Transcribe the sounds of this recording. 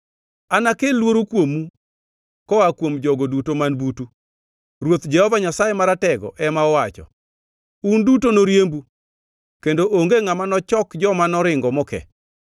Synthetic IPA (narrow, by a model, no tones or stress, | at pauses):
anakelːwoɾokwomu | kɔakwomd͡ʒɔɡodutomanbutu | rwot̪d͡ʒɛhɔvaɲasajemaɾatɛɡɔ̰ʔɛmaɔwat͡ʃɔ̰ | undutonoɾjembu | kendoʔoŋɡeŋamanɔt͡ʃɔkd͡ʒɔmanɔɾɪŋɡɔmɔkɛ̰